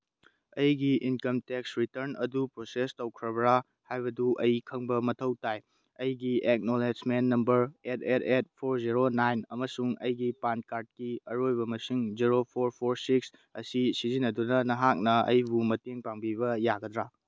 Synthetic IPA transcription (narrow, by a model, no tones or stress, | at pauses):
ɐjɡiinkɐmtek̚sɾitɐɾnɐ̰dupɾosestɐwkʰɾɐbɾa | hajbɐduʔɐjkʰɐŋbɐmɐtʰɐwtaj | ɐjɡiek̚nolesmenːɐmbɐɾet̚ʰetʰet̚pʰoɾziɾonajnɐmɐsuŋɐjɡipankaɾt̚kiɐɾojbɐmɐsiŋziɾopʰoɾpʰoɾsik̚s | ɐsisizinːɐdunɐnɐɦak̚nɐɐ̰jbumɐteŋpaŋbiβɐjaɡɐdɾa